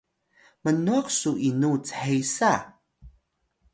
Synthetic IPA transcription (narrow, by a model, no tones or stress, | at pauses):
mənuaksuʔinut͡səħejsa